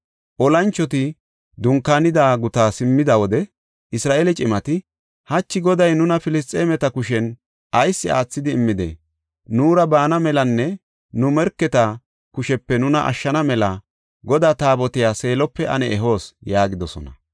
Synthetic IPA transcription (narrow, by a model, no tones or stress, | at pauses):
ʔɔlɐnt͡ʃːɔt̪ɪ | d̪ʊŋkːaːnɪd̪aːɡʊt̪aːsɪmːɪd̪ɐwɔd̪ɛ | ɪsɾaːʔelɛt͡ʃʼɪmɐt̪ɪ | hɐt͡ʃːɪɡɔd̪ɐjnʊnɐfɪlɪs̬t̪ʼːeːmɛt̪ɐkʊʃɛn | ʔɐjsːɪʔa̰ːt͡sːɪd̪ɪːmːɪd̪ɛ̰ | nuːɾɐbaːnɐmɛlɐnːɛ | nʊmɛɾkːɛt̪ɐ | kʊʃɛpːɛnʊnɐʔɐ̰ʃːɐnɐmɛlɐ | ɡɔd̪aːt̪aːbɔt̪ɪjaːse̞ːlɔpːɛʔɐ̰nɛɛɦo̞ːsjaːɡɪd̪ɔsɔ̰nɐ